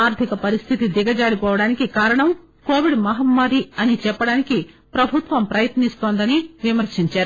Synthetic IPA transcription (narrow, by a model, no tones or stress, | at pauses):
aːɾt̪ʰikɐpɐɾist̪ʰit̪id̪iɡɐd͡ʒaːɽipɔːʋɐɽaːnikikaːɾɐɳɐm | koːʋiɖmɐɦɐmmaːɾiɐnit͡ʃɛpːɐɽaːniki | pɾɐbʱut̪ʋɐmpɾɐjɐt̪nist̪oːnd̪ɐniʋimɐɾʃiɲt͡ʃaːɾu